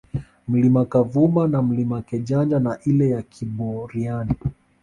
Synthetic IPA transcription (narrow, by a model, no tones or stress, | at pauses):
m̩limakavumanam̩limakɛʄand͡ʒanaʔilɛjakʰiɓɔɾiani